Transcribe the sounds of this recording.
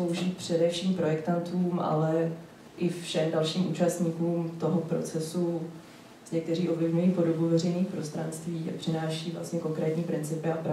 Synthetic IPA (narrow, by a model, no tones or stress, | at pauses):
owʒiːt̪̚pr̝̥ɛdɛfʃiːmpɾo̞jɛkt̪ant̪uːmʔa̰lɛ | ʔɪfʃɛmdalʃiːmʔṵːt͡ʃast̪ɲiːkuːmt̪o̞ɦopɾo̞̰t͡sɛsu | zɲɛk̚t̪ɛriːʔo̞vlɪvɲujiːpo̞dobuvɛrɛjniːxpɾo̞st̪ɾanst̪viːʔa̰pr̝̥ɪnaːʃiːvla̰st̪ɲɛko̞ŋkɾɛːt̪ɲiːpɾɪnt͡sɪpɪapɾa